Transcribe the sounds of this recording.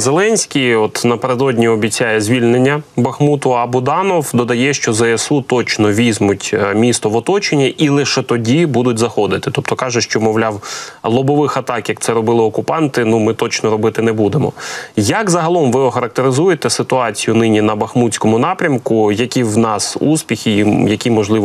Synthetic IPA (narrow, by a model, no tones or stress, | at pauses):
zelˠɛnʲsʲkʲijɔt̪nɐpeɾed̪ɔdʲnʲiɔbʲit͡sʲajɛzʲʋʲilʲnenʲːɐbɐxmut̪ʊɐbʊd̪ɑnɔwd̪ɔd̪ɐjɛʃt͡ʃɔzɐɛsut̪ɔt͡ʃnɔʋʲizmʊtʲmʲist̪ɔʋɔt̪ɔt͡ʃenʲːɐʔilˠɪʃɛt̪ɔdʲibud̪ʊtʲzɐxɔd̪ɪt̪ɪt̪ɔp̚t̪ɔkɑʒɛʃt͡ʃɔmɔwlʲɑwlˠɔbɔʋɪxɐt̪ɑkjɐk̚t̪sɛɾɔbɪlˠɪɔkʊpɑnt̪ɪnumɪt̪ɔt͡ʃnɔɾɔbɪt̪ɪnɛbud̪emɔ̰jɐkzɐɦɐlˠɔmʋɪɔxɐɾɐk̚t̪eɾɪzujet̪ɛsɪt̪ʊɑt͡sʲijʊnɪnʲinɐbɐxmutʲt͡sʲkɔmʊnɑpɾʲɐmkʊjɐkʲiwnɑsuspʲixʲijɐkʲimɔʒlˠɪ